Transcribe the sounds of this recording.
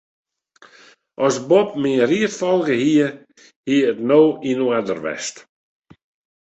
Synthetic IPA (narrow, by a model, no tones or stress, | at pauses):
ʔɔsbɔp̚miriətfɔlˠɡəhiə | hiəətnoːinuadərʋɛ̰st